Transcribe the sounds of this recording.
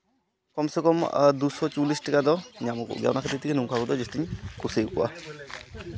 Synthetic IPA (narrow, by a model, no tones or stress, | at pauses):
kɔmsɛkɔmdusɔt͡ʃulistɛkadɔɲamɔkṵɡa̰wnakʰatitikenumkʰakudɔzustiɲkusejkuwa̰